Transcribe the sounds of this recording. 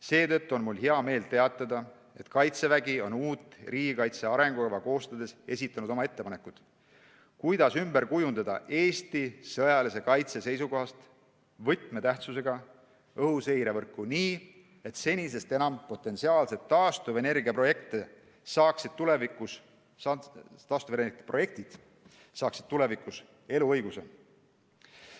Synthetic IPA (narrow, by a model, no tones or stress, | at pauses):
se̞ːt̪ɤ̞t̪ːuonmulɦeɑme̞ːlt̪e̞ɑt̪ːˑɑd̪ɑ | e̞t̪kɑjt̪se̞væɡ̥io̞nuːt̪ːˑriːɡikɑjt̪se̞ɑɾe̞ŋɡ̥ukɑvɑko̞ːst̪ɑd̪̥e̞se̞sit̪ˑːɑnud̪̥o̞mɑe̞t̪ːepɑne̞kːˑud̪̥ | kujd̪̥ɑsymberkujund̪̥ɑd̪̥ɑ̰ʔe̞ːst̪isɤjɑlise̞kɑjt̪se̞se̞jsuko̞ɦɑst̪ | vɤt̪ˑme̞t̪æht̪suse̞ɡ̥ɑ | ɤhusejɾe̞vɤrkːuniː | e̞t̪se̞nʲise̞st̪e̞nɑmpo̞t̪ːˑe̞nsiɑːlse̞t̪ːɑːst̪uve̞ne̞rɡiɑpro̞je̞kt̪ˑe | sɑːksid̪̥̚t̪ule̞vikˑus | t̪ɑːst̪uvenepro̞je̞k̚t̪id̪̥ | sɑːksi̥d̥̪̚t̪ule̞vikːˑus | e̞luɤjɡ̥usḛ